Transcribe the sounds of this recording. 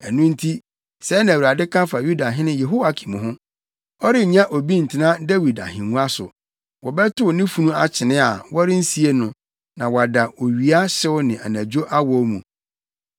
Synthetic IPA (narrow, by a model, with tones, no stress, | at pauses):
ɛ˨nũ˦n̩˦tʰi˦ | sɛ˨˦nã˨wu˨a˨dɪ˦kʰã˦fa˨ju˦da˨ɦɪ̃˦nɪ̃˦je˨ɦo˦wa˨˦kʰĩ̥˨mũ˨ɦʊ̃˦ | ɔ˦ɾɪ˦˨ɲã˦ʔo˨bi˦n̩˨tʰɪ˨nã˦da˦wi˨da̰˨hɪ̃˨nũ˦a˦sʊ̰˨ | wɔ˨bɛ˦tʰʊ˦wnɪ̃˦fu˨nũ˦a˨t͡ɕʰɪ˨nɪ̃˦a˨wɔ˦ɾɪ˦n̩˦si˨e˦nʊ̃˨ | nã˨wɔ˨a˨da˨ʔo˨ɥi˨a˦ɕɪ˦wʊ˦nɪ̃˨ʔa̰˨næ̃˨d͡ʑᶣo˦ʔa˦wɔ˦mũ˨